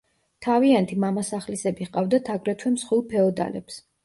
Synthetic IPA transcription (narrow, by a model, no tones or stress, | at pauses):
t̪ʰaviant̪ʰimamasaχlisɛbiχqʼavd̪at̪ʰaɡɾɛt̪ʰwɛmsχwilˠpʰɛɔd̪a̰lɛ̰ps